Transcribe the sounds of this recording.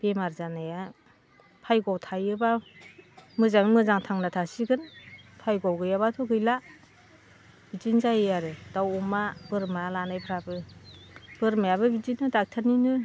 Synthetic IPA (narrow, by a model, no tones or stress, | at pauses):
b̥emaɾzanaja | pʰajɡɔwtʰajɯba | mɯzaŋmɯzaŋtʰaŋnatʰasiɡɯnpʰajɡɔwɡɯjabatʰɔɡɯjla | b̥id͡ʒinzajɯjaɾɯd̥awɔmabɯɾmalanajpʰɾabɯ | b̥ɯɾmajabɯbid͡ʒinɯdak̚tʰaninɯ